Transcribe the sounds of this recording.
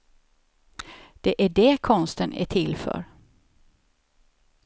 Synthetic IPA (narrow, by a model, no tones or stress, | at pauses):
d̪̥ɛʔæɖɛkʰɔnst̪ənʔæ̰ʈʰɪlfœ̰ːɾ